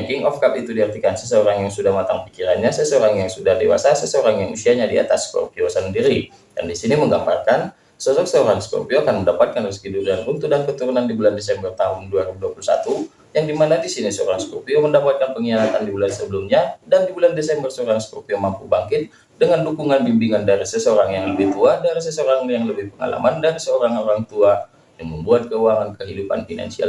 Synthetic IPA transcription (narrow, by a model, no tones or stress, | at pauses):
akiŋɔfkapit̪udihərt̪ikansəsəoɾaŋjaŋsudahmat̪a̰ŋpikiɾanɲasəsoɾaŋjaŋsudahdewa̰sasəsəoɾaŋjaŋṵsiaɲadia̰t̪asːko̰rpiosəndiɾi | dandisiniməŋɡambarkan | sosɔksəoɾaŋsko̰rpioakanməndapat̪̚kanrəskiduɾanunt̪udankət̪uɾunandibulandes̬ɛmbərt̪aɦʊnduaɾibuduapulusa̰t̪u | jaŋdimanadisinisəo̰ɾaŋskopioməndapat̪̚kanpəŋiaɾat̪andibulansəbəlumɲadandibulandesɛmbərsəoɾaŋskopiomampubaŋkɪt̪̚ | dəŋandukuŋanbimbiŋandaɾisəsəoɾaŋjaŋləbɪht̪uadaɾis̬əsəoɾaŋjaŋləbɪhpəŋa̰la̰mandaɾisəoɾaŋoɾaŋt̪ua | jaŋməmbuat̪̚kəuaŋankəɦidupa̰nfina̰nsia̰l